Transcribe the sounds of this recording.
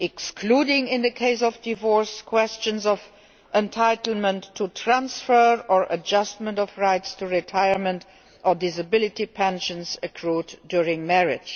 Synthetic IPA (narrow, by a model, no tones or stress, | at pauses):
ɛkskʰluːdɪ̃ŋɪ̃nðəkʰeɪsɔvdivɔɹskʰwɛst͡ʃə̃nzɔv | ʔɛ̃ntʰaɪtəl̩mə̃ntʰːutʰɹãnsfɜɹəɹʔəd͡ʒʌst̚mə̃ntɔfɹaɪtstʰuɹitʰaɪə˞mə̃nt | ʔədɪzəbɪlɪtipʰɛ̃nʃə̃nsəkʰɹuːddjʊɹɪ̃ŋmɛɹɪ̥d͡ʒ